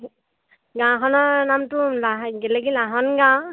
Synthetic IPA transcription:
ɡãkʰɔnɔɹnamtʊlaɦɡɛlɛɡilaɦɔnɡã

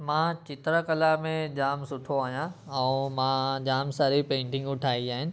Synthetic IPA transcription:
mãːt͡ɕɪt̪ɾəkɐlamẽd͡ʑaːmsʊʈʰoaːɦijãɛ̃ːmãd͡ʑaːmsɐɾipẽːɳʈɪ̃ŋɡʊʈʰaːid͡ʑaːɦɪnɪ̆

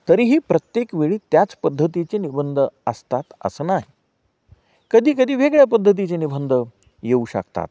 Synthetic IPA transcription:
t̪əɾiːɦiːpɾət̪jekʋeɭiːt̪jat͡spəd̪ʱːət̪it͡senibənd̪ʱəəst̪at̪ə̰sənaɦi | kəd̪ʱiːkəd̪ʱiːʋeɡɭjapəd̪ʱːət̪̬it͡senibənd̪ʱə | jeuɕə̰kt̪a̰t̪̚

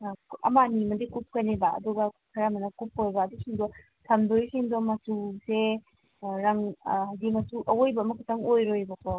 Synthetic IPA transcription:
ɐ̰manimɐdikup̚kʰajnebaɐ̰duɡakʰɐɾamɐnɐkup̚kojbaːdisiŋdɔ | tʰɐmdoisiŋdɔmɐtuse | ɾaŋdimɐtuʔɐwojbɐːmɐkʰutaŋojɾojbɐkʰɔ

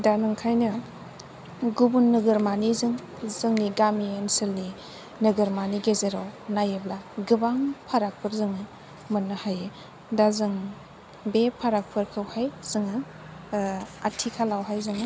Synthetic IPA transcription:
danɯŋkʰajnɯ | ɡubunːɯɡɯɾmanizɯŋ | zɯŋniɡamienselni | nɯɡɯɾmaniɡezeɾawnajeblaɡɯbaŋpʰaɾak̚pʰɯɾzɯŋɯ | mɯnːɯhaje | dazɯŋ | bepʰaɾak̚pʰɯɾkʰɯwhajz̥ɯŋɯ | atʰikʰalawɦajzɯŋɯ

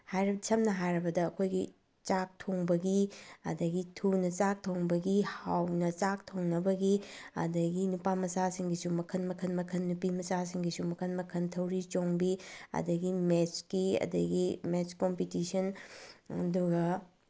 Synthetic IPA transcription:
hajɾɐsʰɐmnɐɦajɾɐbɐdɐːkʰojɡi | t͡ʃak̚tʰoŋbɐɡiɐ̰dɐɡitʰunɐt͡ʃak̚tʰoŋbɐɡihawnɐt͡ʃak̚tʰoŋnɐbɐɡiɐ̰dɐɡinupamɐsasiŋɡisumɐkʰɐnmɐkʰɐnmɐkʰɐnːupimɐsas̬iŋɡisumɐkʰɐnmɐkʰɐntʰɐwɾit͡ʃoŋbiɐ̰dɐɡimet͡ʃkiɐ̰dɐ̰ɡimet͡ʃkompitisɐnɐ̰duɡɐ

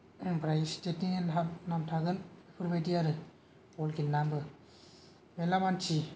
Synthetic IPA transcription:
pɾajstetiŋenapnamtʰaɡɯnpʰɯɾbajdiaɾɯ | pɔlkʰilnambɯ | melamant͡ʃi

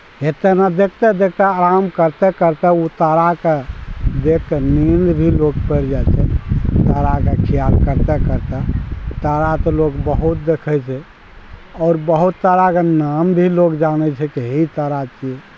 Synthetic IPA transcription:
et̪ɛnad̪ekʰt̪ɛd̪ek̚ʰt̪ɛaɾamkəɾt̪ɛkəɾt̪ɛut̪aɾaked̪ekkenind̪bʱilokpəɾd͡ʒat͡ʃʰɛt̪aɾakekʰijalkəɾt̪ɛkəɾt̪ɛt̪aɾat̪ɔloɡbəɦut̪̚d̪ekʰɛt͡ʃʰɛ | ɔːɾbəɦut̪ːəɾakenambʱilokd͡ʒanɛt͡ʃʰɛkeɦit̪əɾat͡ʃiɛ

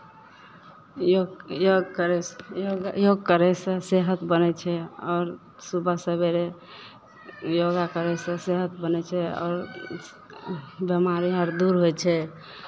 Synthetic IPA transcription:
ojoɡkəɾɛsjoɡjoɡ̚kəɾɛsə̃seɦət̪bənɛt͡ʃʰɛɔːɾ | subʱəsəbeɾe | joɡakəɾɛsə̃seɦət̪bənɛt͡ʃʰɛɔ̰ːɾ | bəmaɾiɦəɾd̪uɾɦojt͡ʃʰɛ

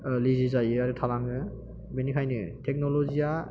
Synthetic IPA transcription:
lizizajɯaɾɯtʰalaŋɯ | benikʰajnɯtʰek̚nɔlɔzija

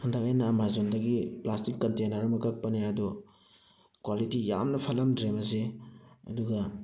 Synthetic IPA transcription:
hundakajnaːmazondɐɡiplastikːɐntenɐɾɐmɐkak̚pɐneadu | kwalitija̰mnɐpʰɐlɐmdɾemɐs̬eɐ̰duɡɐ

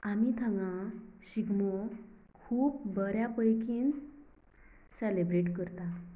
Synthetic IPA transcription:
amit̪ʰãŋɡãɕiɡmɔkʰuːpbəɾjapəjkiːn | sɛlebɾeʈkəɾt̪a

